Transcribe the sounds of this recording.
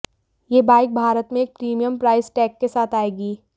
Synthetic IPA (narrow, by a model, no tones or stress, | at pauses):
jeːbaːɪk̚bʱaːɾət̪mẽːk̚pɾiːmijəmpɾaːɪsʈɛːkːesaːt̪ʰaːeːɡiː